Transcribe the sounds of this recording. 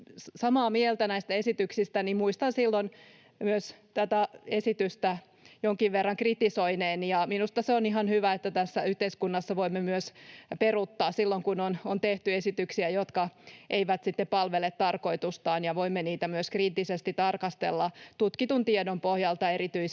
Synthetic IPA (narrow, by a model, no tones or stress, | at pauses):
sɑmɑːmielt̪ænæist̪æesit̪yksist̪ænimmuist̪ɑnsilːon | myøst̪æt̪æesit̪yst̪æ | joŋkiʋʋerːɑŋkrit̪isoineːnjɑminust̪ɑseoniɦɑnhyʋæet̪ːæt̪æsːæyht̪eiskunːɑsːɑʋoimːemyøsperut̪ːɑːssilːoŋkunonont̪eht̪yesit̪yksiæjot̪kɑʔeiʋæt̪sit̪ːeppɑlʋelet̪tɑrko̞it̪ust̪ɑːnjɑʋoimːeniːt̪æmyøskriːt̪ːisest̪it̪ɑrkɑst̪elːɑt̪ut̪kit̪unt̪iedompohjɑlt̪ɑeɾit̪yi